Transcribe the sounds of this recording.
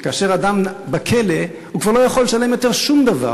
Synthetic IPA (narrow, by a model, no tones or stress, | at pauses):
kaːʃeʁad̪ambakʰele | hukvaʁlo̞jaχolːeʃale̞mjo̞t̪e̞ʁʃumd̪ava̰